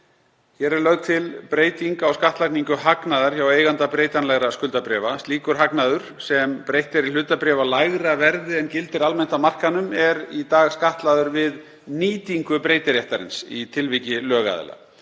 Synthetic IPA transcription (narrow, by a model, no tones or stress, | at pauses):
çɛɾɛɾlœɣt̪ʰɪlpɾeːjt̪iŋkawskaht̪lakniŋkʏɦaknaðaɾ̥çaweːjɣant̪apɾeːjt̪anlɛɣɾaskʏlt̪apɾɛvast̪liːkʏɾ̥ɦaknaðʏɾ̥sɛmpɾejht̪ɪɾil̥ʏːt̪apɾɛːvalaɣɾavɛɾðɪɛncɪlt̪ɪɾalmɛn̥t̪amar̥kanʏmɛɾit̪aːɣskaht̪laðʏɾvɪð | niːt̪iŋkʏpɾeːjt̪ɪɾjaht̪aɾɪ̰nsḭt̪ʰɪlvicɪlœːɣa̰ðɛ̰la̰